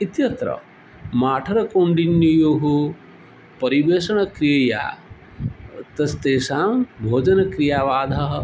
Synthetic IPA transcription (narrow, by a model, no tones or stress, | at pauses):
it̪jɐt̪ɾɐ̰ | maːʈʰɐɾɐkoɳɖinjijoːɦu | pɐɾiʋeːʃɐɳɐkɾijɐja̰ː | t̪ɐst̪eːsaːmbʱoːd͡ʒɐnɐkɾijaːʋaːd̪ʱɐɦɐ̆